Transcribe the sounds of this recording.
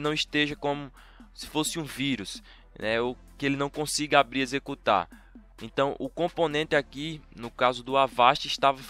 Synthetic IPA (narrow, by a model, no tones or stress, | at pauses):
nɐ̃w̃iʃt̪eʒɐkõmʊ | sɪ̥fosɪũviɾus | nɛo | kɪelɪnɐ̃w̃kõsiɡɐabɾiezekut̪a̰ɾ | ẽt̪ɐ̃w̃ʔʊkõpõnẽt̪ɪakinʊkazʊd̪ʊavaʃt͡ʃ̪ʊiʃt̪avɐ